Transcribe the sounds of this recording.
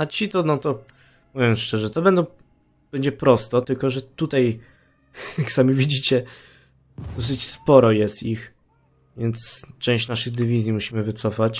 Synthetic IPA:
at͡ɕit̪ɔnɔt̪ɔ | muvʲjɛmʂt͡ʂɛʐɛt̪ɔbɛnd̪ɔ̃ | b̥ɛɲd͡ʑɛpɾɔst̪ɔt̪ɘlkɔʐɛt̪ut̪aj | jaksamʲivʲid͡ʑit͡ɕɛ | d̪ɔs̬ɘt͡ɕspɔɾɔjɛst̪ix | vʲjɛnt̪st͡ʂɛ̃w̃ɕt͡ɕnaʂɘɣd̪ɘvʲizʲjimuɕimɘvɘt̪sɔfat͡ɕ

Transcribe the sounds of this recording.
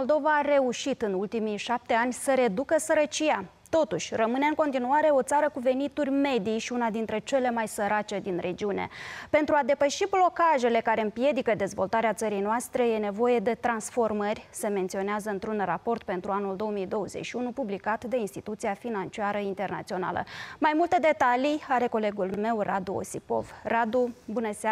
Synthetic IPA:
mold̪o̞vaːɾe̞uʃit̪ɨnult̪imijʃap̚t̪e̞anʲsəɾe̞d̪ukəsəɾət͡ʃija | t̪o̞t̪uʃʲrəmɨne̞ɨŋko̞nt̪inuaɾe̞o̞t̪saɾəkuve̞nit̪urʲme̞d̪ijʃiunad̪int̪ɾe̞t͡ʃe̞le̞majsəɾat͡ʃe̞d̪inrʔe̞d͡ʒiunḛpe̞nt̪ɾuad̪e̞pəʃiblo̞kaʒe̞le̞kaɾe̞ɨmpje̞d̪ikəd̪e̞zvo̞lt̪aɾeat̪səɾijnoast̪ɾe̞je̞ne̞vo̞je̞d̪e̞t̪ɾansfo̞rmərʲse̞me̞nt̪sio̞neazəɨnt̪ɾunrapo̞rt̪̚pe̞nt̪ɾuanuld̪oomijd̪o̞wəze̞̰t͡ʃʃiunupublikat̪d̪e̞inst̪it̪ut̪siafinant͡ʃiaɾəint̪e̞rna̰t̪sio̞na̰lə̰majmult̪e̞d̪e̞t̪alijaɾe̞ko̞le̞ɡulme̞wrʔad̪uo̰sipo̞̰vrad̪ubunəsa

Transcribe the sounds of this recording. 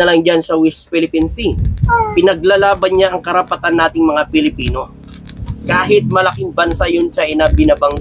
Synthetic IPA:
ɐlɐŋd͡ʒansɐwɛspɪlɪpinsipɪnɐɡ̚lalaːbɐnɲaʔɐŋkɐɾɐpɐt̪anːaːt̪ɪŋmɐŋapɪlɪpiːno̞ | kaːɦɪt̪̚mɐlɐkiŋbɐnsajʊnʃɐʔɪnabɪnɐbɐŋ

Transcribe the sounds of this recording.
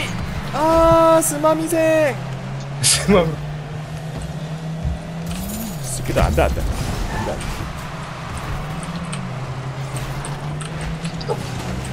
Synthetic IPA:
asʰɯmamisʰeŋ | sɯmami | s͈ɯkedoa̰ndanda̰andanii

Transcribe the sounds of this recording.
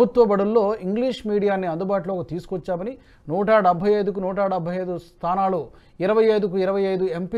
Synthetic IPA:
ut̪ʋɐbɐɽulːo̞ːiŋɡliːʂmiːɽijaːnːiɐnd̪ubaːʈloːkut̪iːsu̥kʋɔt͡ʃːaːmɐni | nuːʈɐɖɐbʱːɐjɐjd̪uk̬unuːʈɐɖɐbʱɐjɐjd̪ust̪ʰaːnaːlu | iɾɐʋɐjɐjd̪uk̬uiɾɐʋɐjɐjd̪uempi

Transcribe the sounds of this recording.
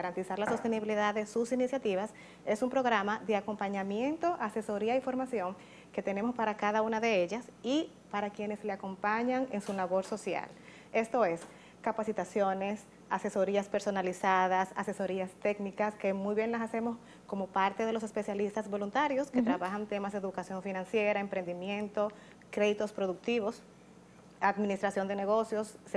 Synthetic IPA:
aɾant̪isaɾlaso̞st̪e̞niβiliðaðe̞susinisjat̪iβas | e̞sumpɾo̞ɣɾamaðe̞ako̞mpaɲamje̞nt̪o̞ʔase̞so̞ɾiaifo̞ɾmasjo̞ŋ | ke̞t̪e̞ne̞mo̞spaɾakaðaunaðee̞ʝasi | paɾakje̞nesle̞ako̞mpaɲaŋensulaβo̞ɾso̞sja̰l | e̞st̪o̞e̞s | kapasit̪asjo̞ne̞s | ase̞so̞ɾiaspe̞ɾso̞nalisaðasa̰se̞so̞ɾiast̪e̞knikaske̞mujβje̞ŋlasase̞mo̞s | ko̞mo̞paɾt̪e̞ðelo̞se̞spe̞sjalist̪azbo̞lunt̪aɾjo̞sket̪ɾaβaxant̪e̞mazðeðukasjo̞ɱfinãnsje̞ɾaempɾe̞nd̪imjẽ̞nt̪o̞ | kɾe̞ðit̪o̞spɾo̞ðuk̚t̪iβo̞s | aðminist̪ɾasjo̞nd̪ene̞ɣo̞sjo̞s

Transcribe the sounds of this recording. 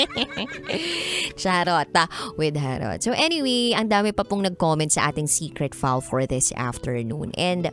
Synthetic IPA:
t͡ʃaɾot̪ɐwɪd̪̚ɦaɾo̰t̪̚sowʔɛniwejʔɐŋd̪aːmɪpɐpʊŋnɐɡ̚koːmɛnt̪̚sɐʔaːt̪ɪŋsiːkɾɛt̪falfɔɹðɪsʔa̰ft̪ɛɹnṵːnʔɛ̃nd̪

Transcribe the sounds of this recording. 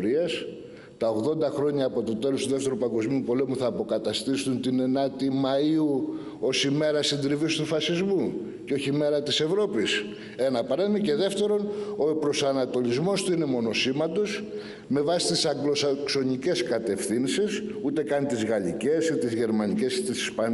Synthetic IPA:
ɾiɐs | t̪ɐo̞ɣðo̞nd̪ɐxɾo̞ɲɐːpo̞t̪o̞t̪e̞lo̞st̪uðeft̪e̞ɾupɐŋɡo̞zmiupo̞le̞muθɐːpo̞kɐt̪ɐst̪isunt̪ine̞nɐt̪imɐiu | o̞sime̞ɾɐsind̪ɾivist̪ufɐsizmu | ceoçime̞ɾɐt̪ise̞vɾo̞pis | e̞nɐpɐɾemice̞ðe̞ft̪e̞ɾo̞noepɾo̞sɐnɐt̪o̞lizmo̞st̪uine̞mo̞no̞simɐt̪o̞s | me̞vɐsi̥t̪isɐɡloskso̞nice̞skɐt̪e̞fθinsisut̪e̞kɐnt̪izɣɐlḭce̞sit̪izʝe̞ɾmɐnice̞sit̪isi̥spɐ

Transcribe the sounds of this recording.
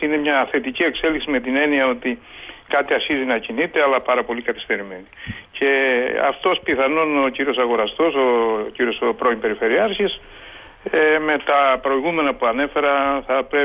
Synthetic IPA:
ine̞mɲɐθe̞t̪icie̞kse̞liksime̞t̪ine̞niɐo̞t̪ikɐt̪iɐɾçizinɐcinit̪e̞ɐlɐpɐɾɐpo̞likɐt̪e̥st̪e̞ɾime̞nice̞ɐ̰ft̪o̞spiθɐno̞no̞ciɾio̞sɐɣo̞ɾɐst̪o̞sociɾio̞spɾo̞impe̞ɾife̞ɾiɐɾçis | eme̞t̪ɐpɾo̞iɣume̞nɐpuɐne̞fe̞ɾɐθɐpɾe

